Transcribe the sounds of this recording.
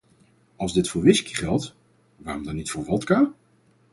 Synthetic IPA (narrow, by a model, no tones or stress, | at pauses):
ɑlˠzdɪtfʊːɹʋɪski̥χɛlˠt | ʋaːrɔmdɑnːitfʊːɹʋɔlˠtkaː